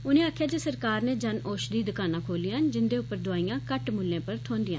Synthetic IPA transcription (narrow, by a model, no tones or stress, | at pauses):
ʊnẽːaːkʰjaːd͡ʒeːsəɾkaːɾneːd͡ʒənʔoːʃd̪iːd̪ʊkaːnãːkʰoːlijãnd͡ʒɪnd̪eːʊpːəɾd̪ʊaːiːjãːkəʈmʊlːẽːpəɾt̪ʰõːnd̪ɪjãː